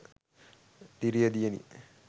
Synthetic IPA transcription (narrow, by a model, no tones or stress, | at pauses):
d̪iɾijəd̪ijenḭ